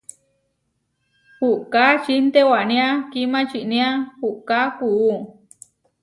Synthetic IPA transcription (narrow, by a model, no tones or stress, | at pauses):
huʔkat͡ʃint̪ewaʔnĩakimãt͡ʃiʔnĩahuʔkakuu